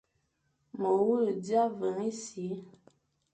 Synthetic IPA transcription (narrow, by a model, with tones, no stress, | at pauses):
mə˨wu˦˨dja˦və˨ŋe˦si˨˦